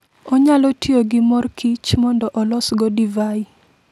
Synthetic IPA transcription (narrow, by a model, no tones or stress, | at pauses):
ɔɲalɔtjoɡɪmɔrkʰit͡ʃmɔndɔʔɔlɔsɡɔdivai